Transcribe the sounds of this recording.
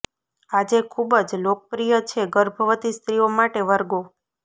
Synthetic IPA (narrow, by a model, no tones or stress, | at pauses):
ad͡ʒekʰubəd͡ʒlokəpɾijət͡ʃʰeɡəɾbʱəʋət̪ist̪ɾijomaʈeʋəɾɡo